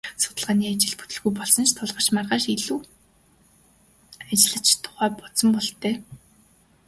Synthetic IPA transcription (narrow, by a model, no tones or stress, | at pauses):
sʊ̥t̪ə̆ɮʁaːniːat͡ɕɪ̆ɮpu̥t̪ɵ̆ɮɣujpɔɮsɞ̆nt͡ɕʰt̪ʰʊɮʁə̆ʃmarʁaːʃeɮuː | at͡ɕɪ̆ɮə̆t͡ɕʰt̪ʰʊ̥χæːpɔsɞ̆mpɔɮt̪æː